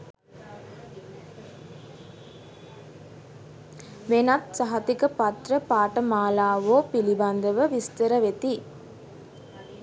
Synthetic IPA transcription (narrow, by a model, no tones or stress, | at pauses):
ʋenat̪saɦɐt̪ikəpat̪ɾəpaːʈəmaːlaːʋoːpiliband̪əʋəʋist̪əɾəʋet̪i